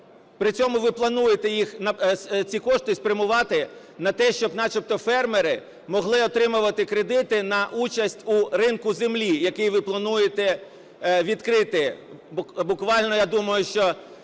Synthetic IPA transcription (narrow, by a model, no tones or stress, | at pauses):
pɾɪt͡sʲɔmʊʋɪplˠɐnujet̪ɛjixnɐt͡sʲikɔʃt̪ɪspɾʲɐmʊʋɑt̪ɪ | nɐt̪ɛʃt͡ʃɔbnɑt͡ʃɔp̚t̪ɔfɛrmeɾɪ | mɔɦlˠɪɔt̪ɾɪmʊʋɐt̪ɪkɾed̪ɪt̪ɪnɐʔut͡ʃɐsʲtʲuɾɪnkʊzemlʲijɐkɪjʋɪplˠɐnujet̪ɛ | ʋʲid̪kɾɪt̪ɪ | bʊkʋɑlʲnɔjad̪umɐjʊʃt͡ʃɔ